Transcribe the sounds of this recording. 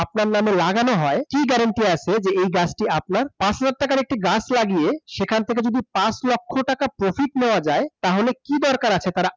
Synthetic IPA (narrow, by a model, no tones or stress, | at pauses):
ap̚naɾnamelaɡanoɦɔekiɡɛɾaɳʈiat͡ɕʰed͡ʑeejɡasʈiap̚naɾpãʃad̪at̪ːakaɾek̚ʈiɡasʰlaɡieʃekʰant̪ʰek̬ed͡ʑod̪ipaslɔkʰːoʈakapɾofʰiʈneoad͡ʑaet̪aɦolekid̪ɔɾkaɾat͡ɕʰet̪aɾa